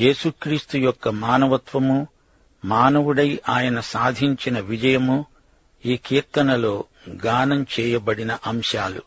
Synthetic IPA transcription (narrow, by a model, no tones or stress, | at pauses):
je̞ːsukɾiːst̪ujɔkːɐmaːnɐʋɐt̪ʋɐmu | maːnɐʋuɽɐjʔaːjɐnɐsaːd̪ʱiɲt͡ʃinɐʋid͡ʒɐjɐmu | iːkiːɾt̪ɐnɐlo̞ː | ɡaːnɐmt͡ʃɛːjɐbɐɽinɐʔɐmʂaːlṵ